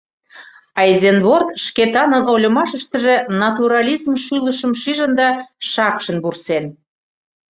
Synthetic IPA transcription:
ɑizenβort̪ʃket̪ɑnənolʲə̆mɑʃəʃt̪ə̆ʒĕnɑt̪uɾɑlʲizmʃyləʃə̆mʃiʒənd̪ɑʃɑkʃə̆nβursen

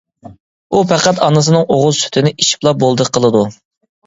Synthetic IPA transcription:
upæqæt̪ɑnɨs̬ɨnɨŋoʁʊzˠsy̥t̪ʰɪnɪʔiʃi̥plˠɑbolˠd̪əqʰːəlˠɨd̪u

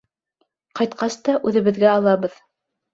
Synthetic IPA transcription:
qɑjt̪̚qɑst̪ɑʔʉðɘ̆βɘ̆ðɡæɑlˠɑβɤð

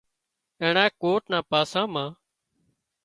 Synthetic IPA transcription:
eːɳãːekoːʈnãːpaːsãːmãː

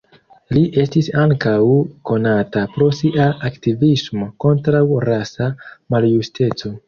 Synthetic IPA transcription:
liʔe̞stisaŋkawko̞natapɾo̞siʔaaktivismo̞ko̞ntɾawɾasamaljuste̞t͡so̞

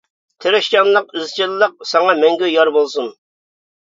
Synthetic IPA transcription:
t̪ʰeɾɛʃkɑnlˠəq̚yzt͡ʃʰɪllˠːəq̚sɑŋɑmɛŋɡʲyjɑɾbolˠsun

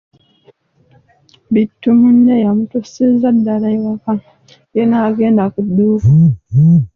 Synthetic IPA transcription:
bitːumundejamutusizadːalaiwaka | jenaːɡeːndakudːuːka

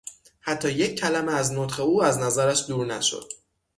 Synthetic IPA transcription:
hæt̪ʰːɒːje̞cʰːælæmeæzno̞t̪χe̞uːæznæzæɾæʃd̪uːɾnæʃo̰d̪̥̚

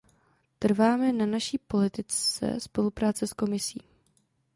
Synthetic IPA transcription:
t̪r̩vaːmɛnanaʃiːpo̞lɪt̪ɪt͡st͡sɛ̰spo̞lupɾaːt͡sɛsko̞mɪsiː

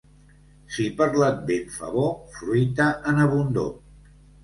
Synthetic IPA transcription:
sipəɾlat̪̚beɱfə̰βofɾujt̪əʔənəβund̪o̰

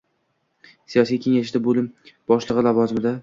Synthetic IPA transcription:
sijɒsijkʲʰe̞ŋaʃɪd̪abolɪmb̥ɒʃlˠɨʁɨlˠavɒzɪmɪd̪a

